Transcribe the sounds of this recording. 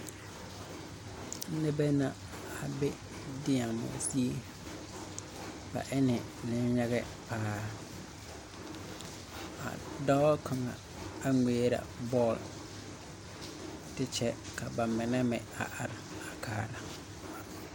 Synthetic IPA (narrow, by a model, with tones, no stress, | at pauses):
n̩˦nɛ̃˦bɛ˦nã˦ | a˨bɛ˦ | dɪ˦ã˨mʊ̰̃˨a̰˨si˦e˦ | b̥a̰˨ʔɛ˦nɪ̃˨nɪ̃˦ɲ˦ja˦ɡɛ˦ | pʰaː˨˦ | a̰˨dɔ˦kʰã˨ŋã̰˨ | a˨ŋeː˨˦ɾa̰˨bɔ˦˨l | dɪ˦t͡ɕʰɛ˦kʰa˨ba˨mɪ̃˨nɛ̃˦mɛ̃˨a̰˨ʔa˨ɾa˨a˨kʰaː˨˦la˨